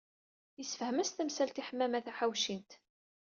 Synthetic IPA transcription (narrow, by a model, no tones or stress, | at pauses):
əsfhəmæst̪æmsælt̪iħəmːæmæθæħawʃint̪